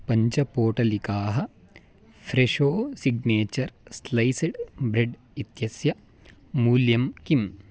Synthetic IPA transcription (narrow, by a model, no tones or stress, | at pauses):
pɐɲt͡ʃɐpoːʈɐlikaːɦɐ | fʰɾeʂoːsiɡneːt͡ʃɐɾslɐjsɐɖbɾeɖ | it̪jɐsjɐ | muːljɐmkim